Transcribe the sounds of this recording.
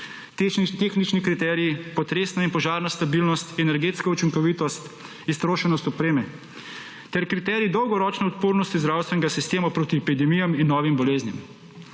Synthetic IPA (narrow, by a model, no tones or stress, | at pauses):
t̪exnit͡ʃnikɾit̪ɛɾiipɔt̪ɾeːsnainpɔʒaːɾnast̪abilnɔst̪ɛnɛɾɡeːt̪skaut͡ʃiŋkɔʋit̪ɔst̪ | ist̪ɾoːʃɛnɔst̪ɔpɾeːmɛ | t̪ɛɾkɾit̪ɛːɾiid̪ɔwɡɔɾɔt͡ʃnɛɔt̪poːɾnɔst̪izd̪ɾawst̪ʋɛnɛɡasist̪eːmapɾoːt̪iɛpid̪ɛmijaminːɔːʋimbɔleːznjɛm